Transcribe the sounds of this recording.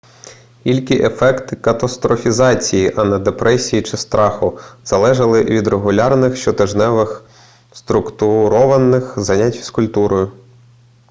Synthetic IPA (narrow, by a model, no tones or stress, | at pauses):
ilʲkʲiʔefɛkt̪ɪkɐt̪ɐst̪ɾɔfʲizɑt͡sʲijiʔɐnɐd̪epɾʔɛsʲijit͡ʃɪst̪ɾʔɑxʊz̥ɐlˠɛʒɐlˠɪʋʲid̪ɾeɦʊlʲɑrnɪxʃt͡ʃɔt̪ɪʒnɛʋɪx | st̪ɾʊkt̪ʊɾɔʋɐnɪxzɐnʲatʲʋʲskʊlʲt̪uɾɔjʊ